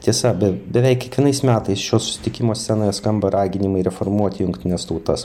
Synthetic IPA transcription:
t̪ʲiɛsɐbʲɛbʲɛʋʲɛɪkʲiɛkʋʲiɛnɐɪsmʲæːt̪ɐɪsʃʲoːssʊ̥sʲɪ̥t̪ʲɪkʲɪmoːsʲsʲænoːjɛskɐmbɐɾɑːɡʲɪnʲɪmɐɪɾʲɛfoːrmuɔt̪ʲɪjʊŋkt̪ʲɪnʲɛst̪ɐʊt̪ɐs

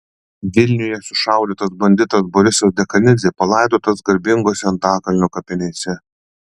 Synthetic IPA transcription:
ʋʲɪlʲnʲʊjɛsʊʃɐˑʊlʲiˑt̪ɐsbɐnʲd̪ʲɪt̪ɐsbɔɾʲɪsʲoːsd̪ʲɛkɐnʲɪzʲeːpɐlˠɐˑɪd̪oːt̪ɐsɡɐɾʲbʲɪŋɡoːsʲɛɐnt̪ɑːkɐlʲnʲukɐpʲɪnʲeːsʲɛ

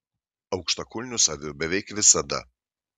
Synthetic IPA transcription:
ɐʊkʃt̪ɐkʊlʲnʲʊsaʋʲɪobʲɛʋʲɛjkʋʲɪsɐd̪ɐ̰

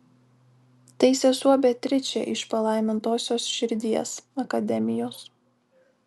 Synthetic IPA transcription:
t̪ʲɛɪsʲeːsuɔbʲet̪ʲɾʲɪt͡ʃʲɛ̰ʔɪʃpɐlˠɐɪmʲɪnt̪oːsʲoːsʃʲɪɾʲd̪ʲiɛsɐkɐd̪ʲɛmʲɪjoːs

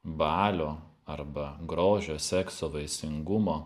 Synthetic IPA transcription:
bɑːlʲoː | ɐɾbɐɡɾoːʒʲoːsʲɛksoːʋɐɪsʲɪŋɡʊmoː

